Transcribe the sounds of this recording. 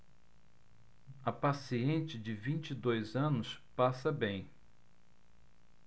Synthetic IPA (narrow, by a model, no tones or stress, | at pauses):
ɐpasiẽnt͡ʃɪd͡ʒɪvĩnt͡ʃid̪ojzɐ̃nʊspasɐbẽj̃